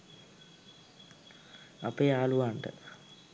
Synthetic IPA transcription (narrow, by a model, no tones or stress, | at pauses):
apejaːluʋaɳʈə̰